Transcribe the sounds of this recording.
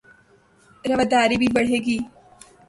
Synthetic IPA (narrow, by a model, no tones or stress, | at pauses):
ɾɐʋəd̪aːɾibʱibɐɽ̤eːɡiː